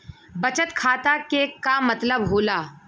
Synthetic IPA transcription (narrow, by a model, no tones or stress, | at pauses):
bɐt͡ʃət̪kʰaːt̪akekamɐt̪ləbɦoːlaː